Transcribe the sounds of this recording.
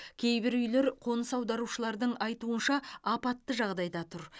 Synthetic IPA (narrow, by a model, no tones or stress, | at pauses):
kʲʰe̞jbɪɾʏjle̞ɾqʰo̞nəsɑwd̪ɑɾuʃəlˠɑɾd̪əɴɑjt̪uənʃɑɑpɑt̪ːəʒɑʁd̪ɑjd̪ɑt̪ʰʊɾ